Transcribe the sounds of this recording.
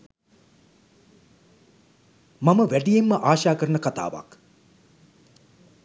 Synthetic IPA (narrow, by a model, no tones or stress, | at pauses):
maməʋæɖijemːəʔaːʃaːkəɾənəkat̪a̰ːʋa̰k